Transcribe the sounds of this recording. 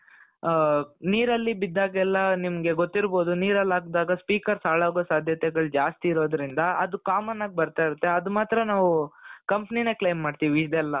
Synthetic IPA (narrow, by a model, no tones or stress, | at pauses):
niːɾɐlːibid̪ːaːɡɛlːɐnimɐɡe̞ɡo̞t̪ːiɾbo̞ːd̪uniːɾɐlːaːɡd̪aːɡɐspiːkɐɾsaːɭaːɡosaːd̪ʱjɐt̪ɛɡɐɭud͡ʒaːst̪iːɾo̞ːd̪ɾind̪ɐɐd̪ukaːmɐnaːɡ̚bɐɾt̪aːjiɾut̪ːe̞ɐd̪umaːt̪ɾɐnaːʋukɐmpnine̞klejmːaːɖt̪iʋiːd̪ɛlːɐ